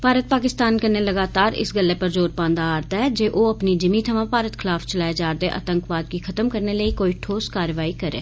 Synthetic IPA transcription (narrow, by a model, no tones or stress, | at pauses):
paːɾət̪̚paːkɪst̪aːnkəneləɡaːt̪aːɾɪ̰sɡəlːeːpəɾd͡ʒoːɾpãːnd̪aaːɾt̪aɦɛd͡ʒeːʔoːəpnid͡ʒɪmĩt̪ʰəmãpaːɾət̪kʰɪlaːfʰt͡ʃəlaːjed͡ʒaːɾd̪eʔə̰t̪əŋkʋaːd̪kikʰət̪əmkəɾneləiːkoːiːʈʰoːskaːɾʋaːikəɾḛː